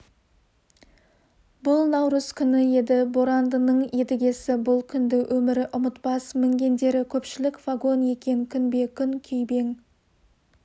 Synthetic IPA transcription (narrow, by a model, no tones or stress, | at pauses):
bʊlˠnɑwɾəz̥kʲʰʏnɪje̞d̪ɪboɾand̪ənəɴe̞d̪ɪɡʲe̞sɪbʊlˠkʲʰʏnd̪ɪwʔɵmɪɾɪʔʊmət̪pɑsmɪŋɡʲe̞nd̪e̞ɾɪkʲʰɵpʃɪlɪkvaɡo̞nje̞kʲe̞ŋkʲʰʏnbe̞kʲʰʏŋkʲʰʏjbe̞ŋ